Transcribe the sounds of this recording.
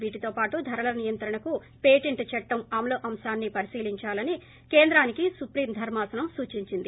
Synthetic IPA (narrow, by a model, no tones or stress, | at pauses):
ʋiːʈit̪o̞ːpaːʈud̪ʱɐɾɐlɐnijɐnt̪ɾɐɳɐku | peːʈiɳʈt͡ʃɛʈːɐmaːmloːʔɐmsaːnːipɐɾisiːliɲt͡ʃaːlɐni | keːnd̪ɾaːnikisupɾiːmd̪ʱɐɾmaːsɐnɐmsuːt͡ʃiɲt͡ʃind̪i